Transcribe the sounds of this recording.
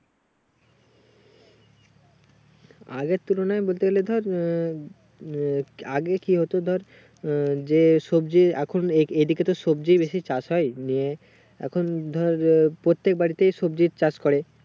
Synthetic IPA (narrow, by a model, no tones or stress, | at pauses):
aɡeɾt̪ulonaebolt̪eɡeled̪ʱɔɾ | aɡekiɦot̪od̪ʱɔɾ | d͡ʑeʃobd͡ʑiɛ̰kʰoneejd̪iket̪oʃob̚d͡ʑibeʃit͡ɕasɦɔenije | ɛ̰kʰond̪ʱɔɾpɾot̪ːek̚baɽit̪ejʃobd͡ʑiɾt͡ɕaskoɾe